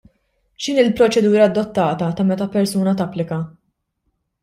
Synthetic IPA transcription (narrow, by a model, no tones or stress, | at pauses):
ʃɪnɪlpɾɔt͡ʃɛd̪uːɾɐːd̪ːɔt̪ːɐːt̪ɐt̪ɐmɛt̪ɐpɛɾsuːnɐt̪ɐpːlɪkɐ